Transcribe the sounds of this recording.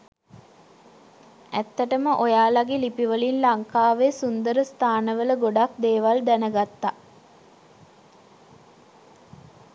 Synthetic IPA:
æt̪ːəʈəməʔojaːlaɡilipiʋəlinlaŋkaːʋesund̪əɾəst̪ʰaːnəʋələɡoɖakd̪eːʋald̪ænəɡat̪ːa

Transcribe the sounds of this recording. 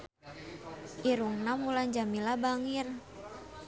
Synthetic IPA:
ʔiɾuŋnamuland͡ʒamilabaŋir

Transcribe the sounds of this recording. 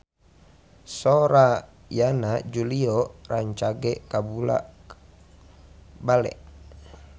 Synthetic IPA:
soɾa | janad͡ʒuliɔraɲt͡ʃaɡɛʔkabula̰ʔ | balɛ̰ʔ

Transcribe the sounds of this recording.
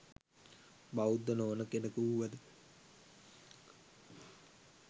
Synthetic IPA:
baud̪ːənoːnəkenəkuuʋəd̪ə

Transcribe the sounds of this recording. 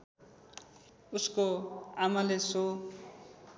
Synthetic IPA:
uskoamaleso

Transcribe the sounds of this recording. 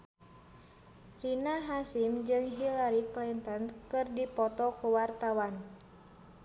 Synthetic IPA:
rinaɦasimd͡ʒɨŋɦilaɾiklint̪ɔnkɨrdipɔt̪ɔkuwart̪awan

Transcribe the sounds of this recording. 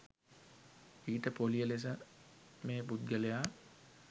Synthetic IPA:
iːʈəpolijəles̬əmeːpud̪̚ɡəlejaː

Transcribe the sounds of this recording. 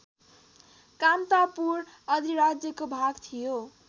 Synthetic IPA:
kamt̪apuɾ | ʌd̪ʱiɾad͡zjʌkobʱaɡt̪ʰijo

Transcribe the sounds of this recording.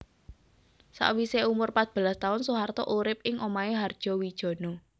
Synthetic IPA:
sa̰ʔwiseumʊrpat̪̚b̥ə̤last̪aʊnsuɦart̪ɔ̰ʔuɾɪp̚ɪŋʔomaeɦard̥ʒ̥ɔ̤wid̥ʒ̥ɔ̤nɔ

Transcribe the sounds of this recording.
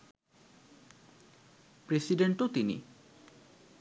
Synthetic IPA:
pɾesiɖeɳʈot̪inḭ

